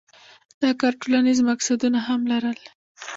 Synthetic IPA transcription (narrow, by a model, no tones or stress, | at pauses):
d̪̥ɑkɑɾʈolanizmaksad̪unaɦamlaɾəl